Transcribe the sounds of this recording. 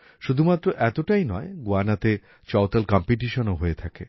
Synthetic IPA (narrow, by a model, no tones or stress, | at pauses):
ʃud̪ʱumat̪ːɾoʔɛt̪oʈajnɔeɡoanat̪e | t͡ɕɔwt̪alkɔmpiʈ̬iʃonoɦoet̪ʰakḛ